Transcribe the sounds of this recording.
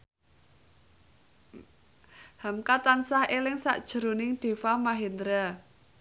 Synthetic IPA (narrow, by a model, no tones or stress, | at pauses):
hamkat̪ansahelɪŋsa̰ʔd̥ʒ̥ə̤ɾo̤nɪŋd̪̥e̤famaɦend̪ɾa